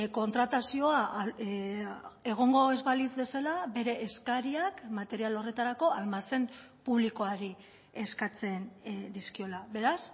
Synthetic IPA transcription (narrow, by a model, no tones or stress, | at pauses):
ko̞nt̪ɾat̪asio̞a | e̞ɣ̞o̞ŋɡo̞e̞zβalizβe̞salabe̞ɾe̞ʔːskaɾiakmat̪e̞ɾialo̞re̞t̪aɾako̞almase̞mpuβliko̞aɾi | e̞skat͡se̞nd̪iskio̞laβe̞ɾas